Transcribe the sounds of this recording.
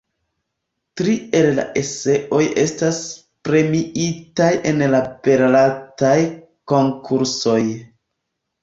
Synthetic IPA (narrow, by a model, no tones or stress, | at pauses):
tɾie̞lla̰ʔe̞se̞ʔo̞je̞stas | pɾe̞miʔitaje̞nlape̞ɾlataj | ko̞ŋkʰuɾso̞j